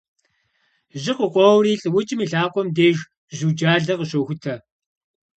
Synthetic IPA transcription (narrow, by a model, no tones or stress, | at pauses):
ʒɪqəqʷɔwriːɬʼɨwʊt͡ʃʼɪmiːɬaːqʷɔmdeːʒ | ʑuːd͡ʒaːɮɐqəɕowxʷʊtʰɐ